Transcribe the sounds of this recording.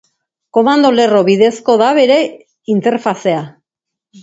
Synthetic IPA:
ko̞mand̪o̞le̞ro̞βiðe̞sko̞ðaβe̞ɾe̞ | int̪e̞ɾfase̞a

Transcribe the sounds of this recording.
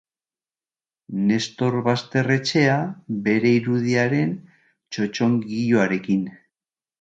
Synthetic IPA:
ne̞st̪o̞ɾβast̪e̞re̞t͡ʃe̞aβe̞ɾe̞iɾuð̞iaɾe̞n | t͡ʃo̞t͡ʃo̞ŋɡiʎoaɾe̞kin

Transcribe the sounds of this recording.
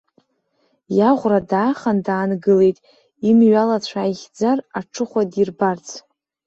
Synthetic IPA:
jaʁʷradaːχandaːnɡɨle̞jtʼ | imɥalat͡ɕʷʰaːjχʲd͡zaraʈ͡ʂʰɨχʷadirbart͡sʰ

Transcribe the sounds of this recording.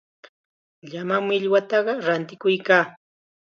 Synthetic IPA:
ʎamamɪʎwat̪ɑɢɑɾant̪ɪkʊjkaː

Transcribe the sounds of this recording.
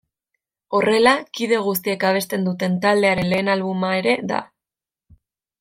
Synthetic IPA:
o̞re̞lakiðe̞ɣ̞us̬t̪ie̞kaβ̞e̞st̪e̞nd̪ut̪e̞nt̪ald̪e̞aɾe̞nle̞ːnalβumae̞ɾe̞ða̰

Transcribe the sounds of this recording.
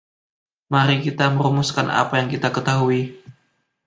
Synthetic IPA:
maɾikit̪aməɾumuskana̰pajaŋkit̪akət̪aɦui

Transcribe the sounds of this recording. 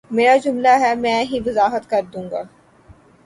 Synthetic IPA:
meːɾad͡ʒʊmlaɦɛmɛ̃ːɦiʋɐzaːɦət̪kɐɾd̪ũːŋɡaː

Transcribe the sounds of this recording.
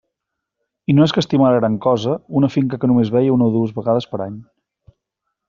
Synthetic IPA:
inoɛskəst̪imaɾəɣɾaŋkɔzəunəfiŋkəkənumezβɛjəunoðuəzβəɣaðəspəɾaɲ

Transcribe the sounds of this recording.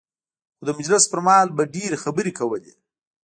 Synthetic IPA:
xod̪əmʊd͡ʒlɪspəɾmɑlbaɖeɾxabəɾikawəlḭ

